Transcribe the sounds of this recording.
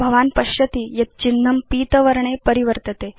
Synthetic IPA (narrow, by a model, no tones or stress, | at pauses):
bʱɐʋanpəɕjət̪iːjɐt̪̚t͡ɕinːəmpiːt̪əʋəɾɳepəɾiʋəɾt̪ət̪e